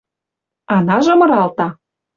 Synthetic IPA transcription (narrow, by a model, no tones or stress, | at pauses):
ɑnɑʒɤ̆mɤ̆ɾɑlt̪ɑ